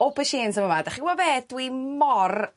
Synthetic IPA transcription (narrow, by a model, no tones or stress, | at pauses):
opʰəʃeːnsəməmadaχiɡwaveːdwimɔr